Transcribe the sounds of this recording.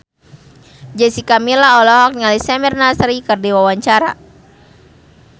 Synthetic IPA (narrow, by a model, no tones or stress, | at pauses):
d͡ʒəsikamilaɔlɔɦɔk̚ɲalisɛmɛrnasɾikərdiwawaɲt͡ʃaɾa̰